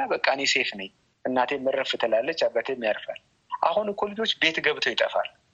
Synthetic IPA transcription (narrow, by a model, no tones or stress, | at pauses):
abəkʼːanese̞fnəɲ | ʔɨnːat̪ʰejɛmːɨrːəfɨt̪ʰəlalːət͡ʃːabːat̪ʰemːijaɾfal | ʔa̰hunkʰolid͡ʒo̞t͡ʃːbe̞t̪ɡəβt̪ʰojɪt̪ʼəfa̰l